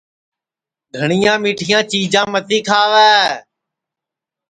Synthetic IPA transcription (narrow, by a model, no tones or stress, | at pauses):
ɡʱəɳɪjãːmiːʈʰɪjãːt͡ʃiːd͡ʒãːmət̪ʰiːkʰaːʋɛː